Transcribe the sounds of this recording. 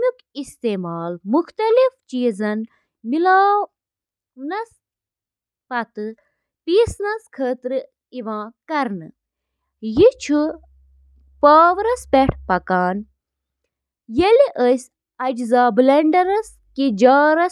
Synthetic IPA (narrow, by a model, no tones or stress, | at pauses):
mik | ist̪eːmaːlmuxt̪ɐlift͡ʃiːzɐn | milaː | nɐs | pɐt̪ɨ | piːsnɐskʰəːt̪ɾɨ | iʋãːkɐɾnɨ̰ | jit͡ʃʰu | paːʋɾɐspeʈʰpɐkaːn | jeliʔəs | ɐd͡ʒzaːbleɳɖɐɾɐs | kid͡ʒaːɾɐ